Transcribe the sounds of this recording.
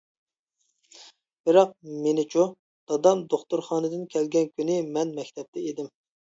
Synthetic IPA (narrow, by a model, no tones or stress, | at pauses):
b̥ɪɾɑq̚menɪt͡ʃʰu | d̪̥ɑd̪ɑmd̪oχt̪uɾχɑːnɨd̪ɨnkʲʰɛlɡʲɛnkʲynɪmɛnmɛkʲt̪ʰɛp̚t̪ʰɛed̪ɪm